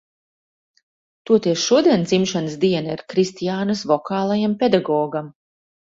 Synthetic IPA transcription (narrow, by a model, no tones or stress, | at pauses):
t̪uɔt̪ɛsʃuɔd̪iɛnd̪zimʃansd̪iɛnaiɾkɾist̪ijaːnasvɔkaːlˠajampʲed̪aɡɔːɡam